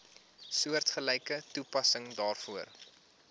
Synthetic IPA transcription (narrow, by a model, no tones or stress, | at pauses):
suərtχəlɛjkətupɐsəŋdɑːrfuər